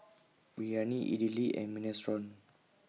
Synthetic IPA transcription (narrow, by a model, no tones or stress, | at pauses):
bijaniʔḭdiliɛ̰̃minɛsɹɔ̃n